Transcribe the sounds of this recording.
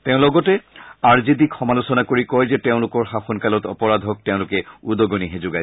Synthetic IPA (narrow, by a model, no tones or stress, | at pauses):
teʊ̃lɔɡɔtɛaɹzidikxɔmalʊsɔnakoɹikɔjzɛteʊ̃lʊkɔɹxaxɔnkalɔtɔ̰pɔɹad̪ʱɔk̚teʊ̃lʊkɛudɔɡoniɦezʊɡaj